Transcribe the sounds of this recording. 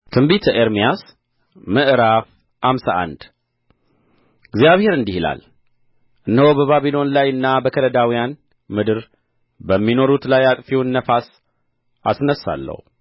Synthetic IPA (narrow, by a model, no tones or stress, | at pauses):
t̪ʰɨmbit̪ʰəʔeɾmijas | mɨʔɾaf | hamsaʔa̰nd̪ | ɨɡzjaβhe̞ɾɨnd̪ihila̰l | ʔɨnːəhobəβaβilo̞nlajɨnːabəkʰələd̪awijan | mɨd̪ɨɾ | bəmːino̞ɾut̪lajat̪ʼfiwnːəfas | asnəsːa̰lːə̰hu